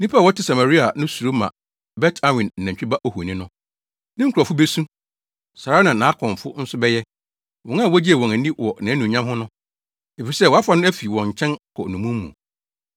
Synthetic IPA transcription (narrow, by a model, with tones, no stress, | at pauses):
nĩ˦pʰa˦˨wɔ˦tʰɪ˦sa˨ma˨ɾi˦a˨nʊ̃˦su˨ɾo˦mã̰˨ | bɛ˦tʰa˦wɪ̃˨n̩ː˨ã˨ɲt͡ɕᶣi˦ba˦ʔo˦˨hu˨nɪ̃˦nʊ̃˦ | nɪ̃˦ŋ̩˦kʰu˨ɾɔ˨fʊ˦be˦sũ˦ | sa˨ɾa˦nã˨nã˨˦kʰɔ̃˨ɱ˨fʊ˦n̩˦sʊ˦bɛ˦jɛ˦ | wɔ̃˨ŋã˦˨wɔ˦d͡ʑi˦ɛ˨wɔ̃˨næ˨nĩ˦wɔ˨nã˨˦nũ˨ɲã˦mɦʊ̃˦nʊ̃˦ | e˨fi˨sɛ˦˨wɔ˨˦a˦fa˨˦nʊ̃˦æ˦fi˨wɔ̃˨ɲ̩˨t͡ɕʰɛ̃˦nkʰɔ˨nũ˨mũ˦mː˦ṵ̃˨